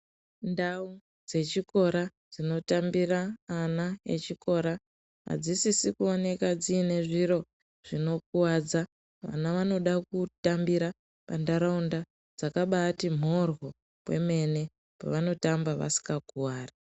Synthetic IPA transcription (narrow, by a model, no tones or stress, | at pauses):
ndau | d͡ze̞t͡ʃiko̞ɾad͡zino̞tambiraːnaḛt͡ʃiko̞ɾa | a̰d͡zisisikuone̞kad͡ziːne̞ʐiɾo̞ | ʐ̥ino̞k̚uwad͡za | ʋa̰naʋano̞ɗakutambiɾa | pandaɾaunda | d͡zakaɓatim̤o̞ro̞ | we̞̰me̞ne̞ | pa̰ʋano̞tambaʋa̰si̥ŋɡaɡʱuwaːra